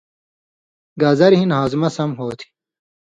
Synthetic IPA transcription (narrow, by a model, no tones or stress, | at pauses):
ɡaːzɐɾɦinhaːzmɐsɐmɦoːt̪ʰi̥